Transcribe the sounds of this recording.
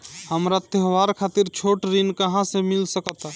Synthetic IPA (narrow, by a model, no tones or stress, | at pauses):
həmɾat̪jəɦʋaɾkʰat̪iɾt͡ʃʰoʈɾinkəɦãsẽmilsəkət̪